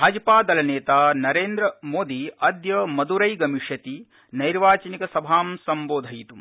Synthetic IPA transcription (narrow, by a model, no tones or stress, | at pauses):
ɦɐd͡ʒɐpaːd̪ɐlɐneːt̪aːnɐɾeːnd̪ɾɐmoːd̪iɐd̪jɐmɐd̪uɾɐjɡɐmiʂjɐt̪i | nɐjɾʋaːt͡ʃɐnikɐsɐbʱaːmsɐmboːd̪ʱɐjit̪um